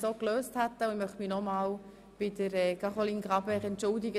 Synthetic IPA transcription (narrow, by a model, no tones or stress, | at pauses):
soːkløːsthæt̪ːəʊnmœχtminɔmɑːl | b̥ɪdəɾɛːkɑχoliːnɡʁɑbɛʁɛntt͡ʃʊldɪɡə